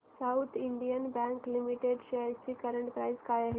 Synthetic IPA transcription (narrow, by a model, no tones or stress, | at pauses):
sawt̪ʰiɳɖijənbɛ̃ŋklimiʈeɖɕejəɾt͡ɕiːkəɾəɳʈpɾajzkajaɦe